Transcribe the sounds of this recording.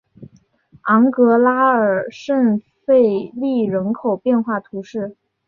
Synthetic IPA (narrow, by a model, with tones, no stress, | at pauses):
ɑ˧˥ŋkɤ˧˥la˥ə˞˨˩ʂə˥˧ŋ | fe˥˧ɪli˥˩ɻə˧˥nkʰo˨˩ʊpjɛ˥˧nxwa˥˩t̪ʰu˧˥ʂɻ̩˥˩